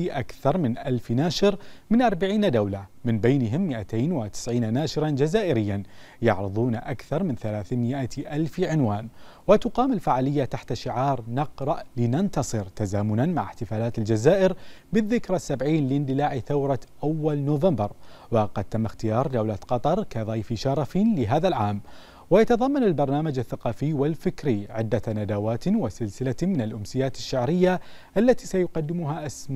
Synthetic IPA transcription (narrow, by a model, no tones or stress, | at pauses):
ʔakθɑɾˤmɪnʔalfnaːʃɪɾmɪnʔɑɾˤbaʕiːnad̪awlamɪnbejnɪɦɪmːɪʔat̪eːnwɪt̪ɪ̥sʕiːnanaːʃɪɾˤɑnd͡ʒazaːʔɪɾɪjːan | jɑ̰ʕɾɪðˤuːnaʔakθɑɾˤmɪnθalaːθmɪʔaʔalfʕɪnwaːnwɪt̪ʊqɑːmɪlfaʕaːlɪjːat̪aħt̪aʃɪʕɑːɾˤnɑqɾˤɑʔlɪnant̪ɑsˤɨɾt̪azaːmʊnanmaʕɪħt̪ɪfaːlaːt̪ɪld͡ʒazaːʔɪɾbɪðːɪkɾasːabʕiːnlɪnd̪ɪlaːʕiθawɾˤɑʔawːalnoːvambɑɾˤwɑqɑd̪̚t̪ːamːaxt̪ɪjɑːɾˤd̪awlaqɑt̪ˤɑɾˤkaðˤɑjfiʃɑɾˤɑflɪɦaːðalʕaːm | wajat̪ɑðˤɑmːanalbɑɾˤnaːmad͡ʒaθːaqɑːfɪjwɪlfɪkɾiʕɪ̰d̪ːanad̪awaːt̪wasɪlsɪlamɪnalʔʊmsɪjːaːt̪ɪʃːaʕɾɪjːa | ʔalːat̪iːsajʊqɑd̪ːɪmʊɦaʔasm